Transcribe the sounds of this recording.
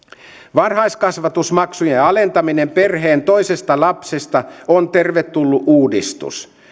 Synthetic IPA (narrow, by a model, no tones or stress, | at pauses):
ʋɑrhɑjskɑsʋɑt̪usmɑksujeɑle̞nt̪ɑmine̞mpe̞rɦeːnt̪o̞jsest̪ɑlɑpsest̪ɑont̪erʋet̪ːulːuʔuːdist̪ṵs